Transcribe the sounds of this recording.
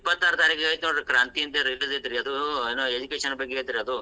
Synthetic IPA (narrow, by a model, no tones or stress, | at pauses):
pːɐt̪ːaːɾut̪aːɾikɐjt̪unoɳɾɐkɾaːnt̪ijint̪ɐɾilized̪iɾiɐd̪uenːoed͡ʒukeːʂɐnbɐɡːed̪iɾiɐd̪u